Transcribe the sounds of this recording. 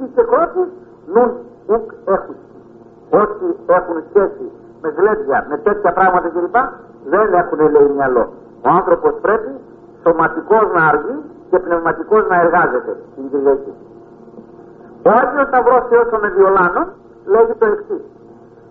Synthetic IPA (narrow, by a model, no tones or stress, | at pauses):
ice̞kɾo̞t̪is | nun | uke̞xus | o̞sie̞xunsçe̞si | me̞ɣle̞d̪ʝɐme̞t̪e̞t̪çɐpɾɐɣmɐt̪ɐce̞lipɐ | ðe̞ne̞xunele̞imjɐlo̞̰ | o̞ɐnθɾo̞po̞spɾe̞pi | so̞mɐt̪iko̞znɐːɾʝice̞pne̞vmɐt̪iko̞znɐe̞ɾɣɐze̞t̪e̞t̪inɡ̪ɾilɐci | oɐlio̞nt̪ɐvɾoseo̞some̞vio̞lɐnon | le̞ʝit̪o̞eksis